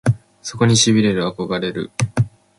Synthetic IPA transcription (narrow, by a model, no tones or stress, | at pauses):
so̞ko̞ɲ̟iɕibʲiɾe̞ɾɯ̟ako̞ɡaɾe̞ɾɯ̟̰